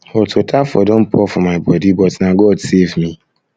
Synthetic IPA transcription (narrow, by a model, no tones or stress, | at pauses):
ɔtʰotʰafɔdõm̩pʰɔfɔmaɪbɔdibɔtnaɡɔdsevmi